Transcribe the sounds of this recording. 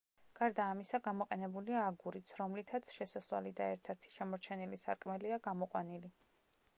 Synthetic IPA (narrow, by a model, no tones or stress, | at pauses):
ɡ̥aɾd̪aːmisaɡamɔqʼɛnɛbuliaːɡuɾit̪sʰɾɔmlit̪ʰat̪sʰʃɛsaswa̰lid̪aɛɾt̪ʰɛɾt̪ʰi̥ʃamɔɾt͡ʃʰɛnilisaɾkʼmɛliaɡamɔqʼwanili